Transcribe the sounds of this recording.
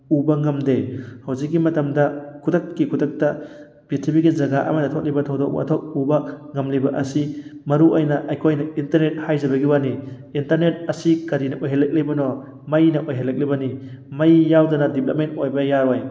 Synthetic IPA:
ubɐŋɐmdehɐwzik̚ːimɐtɐmdɐkʰudɐkkikʰudɐk̚tɐ | bitʰipiɡizɐɡaʔɐ̰mɐtɐtʰot̚libɐtʰɔwdɔk̚a̰tʰɔk̚ubɐŋɐmlibɐʔɐsimɐɾuʔɐjnɐʔɐjkʰojnɐintɐɾnet̚hajzɐbɐɡiwani | intɐɾnet̚ɐsikɐɾinɐʔojɦelɐk̚libɐnɔ | mɐjnɐʔojɦelɐk̚libɐnimɐjːawdɐnɐdiplɐp̚mentojbɐjaɾoj

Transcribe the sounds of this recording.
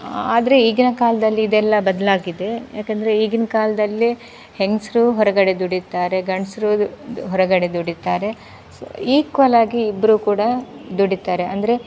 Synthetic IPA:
aːd̪ɐɾe̞iɡinɐkaːlɐd̪ɐlːiːd̪ɛlːɐbɐd̪ɐlaːɡid̪e̞jaːkend̪ɐɾe̞iɡinɐkaːlɐd̪ɐlːi | heŋsɾuːɦɔɾɐɡɐɽe̞d̪uɽit̪ːaːɾe̞ɡɐɳsɾuːɦɔɾɐɡɐɽe̞d̪uɽit̪aːɾe̞ | siːkʋɐlaːɡiːbːɐɾuːkuːɽɐd̪uɽit̪aːɾeɐnd̪ɐɾe̞

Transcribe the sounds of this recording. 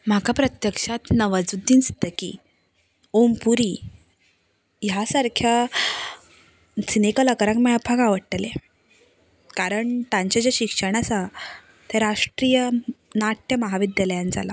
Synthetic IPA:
m̤akʰapɾət̪jəkʂat̪nəʋad͡zud̪ʱːinst̪əkḭː | ompuɾiː | jasaɾkʰja | sinekələkəɾakmajabʰʱaɡaʋəɽʈəle | kaɾəɳt̪ãɲt͡ɕad͡ʑaɕikʂəɳ̃asa | t̪eɾaʂʈɾijənaʈʰjəməɦaʋid̪jaljand͡za̰la

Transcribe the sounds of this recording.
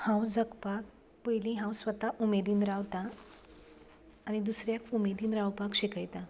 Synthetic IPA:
hãwd͡zəkpak̚ | pəjlĩɦãwsʋət̪aʔumed̪iːnɾaʋt̪a | ñid̪usɾjakumed̪iːnɾawpakɕekəjt̪a

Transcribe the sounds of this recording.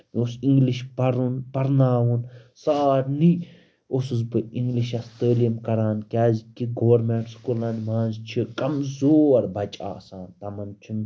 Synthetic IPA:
osiŋɡliʃpɐɾunpɐɾnaːʋunsaːɾni | osɨzbɨiŋɡliʃɐst̪əːlijɐmkɐɾaːnkʲaːzikiɡoʋɐɾmeːɳʈskulanmãːnzt͡ʃʰikɐmzoːɾbɐt͡ʃʼa̰ːsaːnt̪ɐmɐnt͡ʃʰun

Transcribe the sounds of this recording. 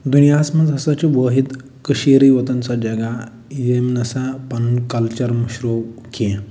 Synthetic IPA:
d̪unijasməd͡zɦəsat͡ɕiboɦit̪ | kəɕiɾiʋət̪ənt͡sad͡ʑaɡa | iemnəsapankəlt͡ɕəɾməɕɾokẽ

